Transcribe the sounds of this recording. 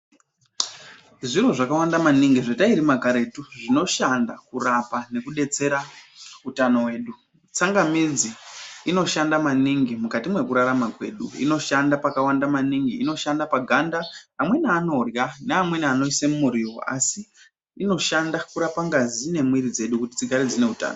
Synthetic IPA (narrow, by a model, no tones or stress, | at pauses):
ʐiro̞ʐakawandamaniŋɡiʐetaiɾimakaɾe̞tuʐino̞ʃandakurapane̞kuɗe̞t͡se̞ɾautano̞we̞ːɗu | t͡saŋɡamid͡ziino̞ʃandamaniŋɡimukatimwe̞kuɾaɾamakwe̞̰ːɗṵḭno̞ʃandapakawandamaniŋɡiːno̞ʃandapaɡʱandaːmwe̞naːno̞rjaneamwe̞naːno̞isemumuɾiwo̰a̰si | ino̞ʃandakuɾapaŋɡazine̞mwiɾid͡ze̞ɗukuti̥t͡siɡʱaɾid͡zine̞uta̰ːno